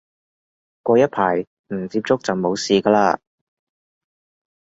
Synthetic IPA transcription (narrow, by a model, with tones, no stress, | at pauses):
kʷɔː˧jɐ˥t̚pʰaː˨˩j | m̩˨˩t͡siː˧p̚t͡sʊ˥k̚t͡sɐ˨˩wmo˨˧wsiː˨kaː˧laː˧